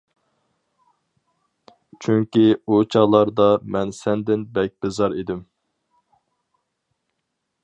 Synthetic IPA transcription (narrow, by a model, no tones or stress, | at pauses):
t͡ʃʰyŋkʲiut͡ʃʰɑlˠɑɾd̪ɑmɛnsɛnd̪ɪnbɛk̚ʲbɪzɑɾid̪ɪm